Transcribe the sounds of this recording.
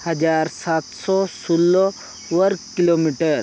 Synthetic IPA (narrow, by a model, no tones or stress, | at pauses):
həd͡ʒaɾsat̪sɔsulːɔ | ʋəɾɡkilomiʈəɾ